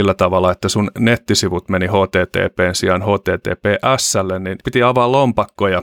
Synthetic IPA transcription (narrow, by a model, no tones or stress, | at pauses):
ilːæt̪ɑʋɑlːˑɑet̪ːæsunnet̪ːisiʋut̪menihoːt̪eːt̪ḛːpeːnsiɑnhoːt̪eːt̪ḛːpeːʔæsːælːenninpit̪iɑʋɑːllompɑkːojɑ